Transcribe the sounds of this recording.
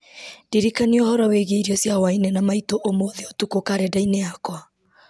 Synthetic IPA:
ndiɾikaniɔhɔɾɔweɣeiɾiɔsjawainenamaitoʔomoðeotukokaɾɛdaineakwa

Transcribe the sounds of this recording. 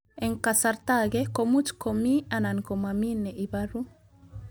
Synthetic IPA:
ɛŋkasaɾt̪aɡɛkomutkomianankomaminɛʔibaɾu

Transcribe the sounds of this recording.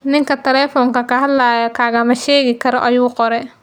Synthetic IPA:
nɪŋkʰɐt̪ʰɛlɛːfɔŋkɐkʰɐɦɐd̪laːjɔkʰaːɣɐmɐʃeːɣɪkʰɐɾɔʔɐjuːqɔɾɛ

